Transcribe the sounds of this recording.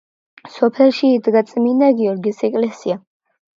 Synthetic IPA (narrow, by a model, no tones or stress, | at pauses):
sɔpʰɛlˠʃiːd̪ɡat̪sʼminaɡiɔɾɡisɛkʼlɛsia